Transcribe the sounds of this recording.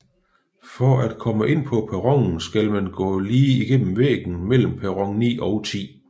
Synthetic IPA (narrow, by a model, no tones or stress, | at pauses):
fɒæd̥̚kʰɒ̽məʔe̝n̰pʰɒ̽pʰæʁɒ̽ŋn̩sɡ̥ælmænɡ̥ɔ̰̽ːliːiɡ̥en̰m̩ʋḛːɡ̥n̩mel̰m̩pʰæʁɒ̽ŋnḭːʔɒ̽ʊt͡sʰḭː